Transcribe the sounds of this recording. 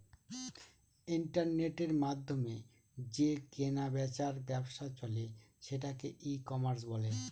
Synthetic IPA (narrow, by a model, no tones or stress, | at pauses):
iɳʈaɾneʈeɾmad̪ʱːome | d͡ʑekenabɛt͡ɕaɾbɛbʃat͡ɕoleʃeʈakeʔikɔmaɾs̬bole